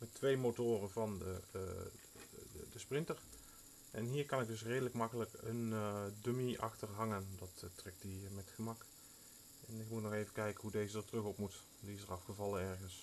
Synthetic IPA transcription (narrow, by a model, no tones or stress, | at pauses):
mɛtʋejmotoːrəvɑnə̰ | dəsprɪntəɹ | ʔɛnɦiːɹkɑnɪk̚dɵs̬rejdələkmɑkələkəndømiʔɑ̰xtərɦɑŋəndɑttrɛk̚tdimɛtxəmɑk | ɛnɪkmutnɔxejvəkɛjkənɦudejzədəɹtrɵxɔpmut | diɪs̬əɹɑfχəvɑlˠənɛɹɣəns